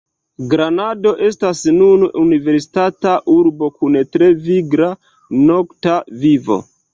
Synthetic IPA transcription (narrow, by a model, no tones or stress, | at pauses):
ɡɾanado̞ʔe̞stasnununive̞ɾsi̥tataʔuɾbo̞kuntɾe̞viɡɾa | no̞ktavivo̞̰